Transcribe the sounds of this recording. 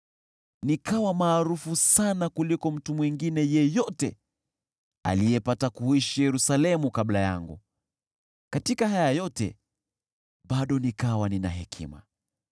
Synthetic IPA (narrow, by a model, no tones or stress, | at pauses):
nikawamaːɾufusanakulikɔm̩tumwiŋɡinɛjɛjɔtɛ | a̰lijɛpatakuiʃijɛɾusalɛmukablaja̰ŋɡṵ | katikaɦajajɔtɛ̰ | ɓaɗɔnikawanina̰ɦɛkʰḭma̰